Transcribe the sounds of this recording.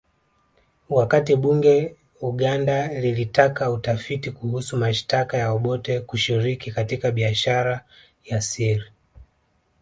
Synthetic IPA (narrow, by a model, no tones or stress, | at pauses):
wakatiɓuŋɡɛ | uɠandalilitakautafitikuhusumaʃtakajaɔɓɔtɛkuʃiɾikikatikaɓiaʃaɾa | jasiɾi